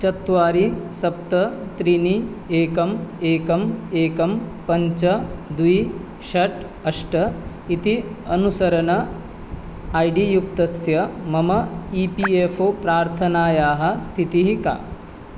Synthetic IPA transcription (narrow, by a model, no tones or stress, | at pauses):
t͡ʃɐt̪ːʋaːɾisɐp̚t̪ɐt̪ɾini | eːkɐmeːkɐmeːkɐmpɐɲt͡ʃɐd̪uij | ʃɐʈ | ɐʂʈɐ | it̪iɐnusɐɾɐnɐ | ɐjɖijukt̪ɐsjɐmɐmɐiːpiefoːpɾaːɾt̪ʰɐnaːjaːɦɐ̆st̪ʰit̪iɦika̰ː